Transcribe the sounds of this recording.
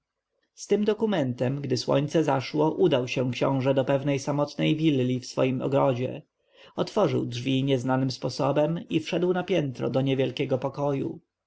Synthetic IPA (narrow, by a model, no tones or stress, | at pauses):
st̪ɘmd̪ɔkumɛnt̪ɛmɡd̪ɘswɔ̰ɲt̪sɛzaʂwɔʔud̪awɕɛ̃kɕɔ̰̃w̃ʐɛd̪ɔpɛvnɛjsamɔt̪nɛjvʲilːʲifsfɔ̰jimɔ̰ɡɾɔd͡ʑɛ̰ | ɔt̪fɔʐɘ̰wdʐvʲiɲɛznanɘmspɔsɔbɛmifʂɛd̪wnapʲjɛnt̪ɾɔ̰d̪ɔɲɛvjɛlkʲɛɡɔpɔkɔjṵ